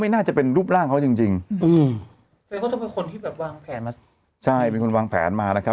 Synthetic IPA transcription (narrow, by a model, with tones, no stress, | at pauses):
ma˥˩jnaː˥˩t͡ɕa˨˩pe˧nɾuː˥˩p̚laː˥˩ŋkʰa˦˥wt͡ɕi˧ŋt͡ɕi˧ŋʔɯː˧m˧ | kɔ˥˩t̪ɔ˥˩pe˧nkʰo˧nt̪ʰiː˥˩bɛː˨˩p̚waː˧ŋpʰɛː˩˦nma˦˥ | t͡ɕʰa˥˩jpe˧ko˧nwaː˧ŋpʰɛ̰ː˩˦nmaː˧na˦˥kʰ